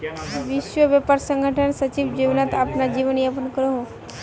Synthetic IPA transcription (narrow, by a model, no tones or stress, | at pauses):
ʋɪʃʋəʋapaɾsə̃ŋɡʱəʈʰənsət͡ʃiʋd͡ʒiʋnat̪apnad͡ʒiʋənjapənkəɾoɦo